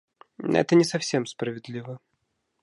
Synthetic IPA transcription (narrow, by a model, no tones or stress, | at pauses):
ɛ̰t̪ənʲɪsɐfsʲemspɾəvʲɪd̪lʲivə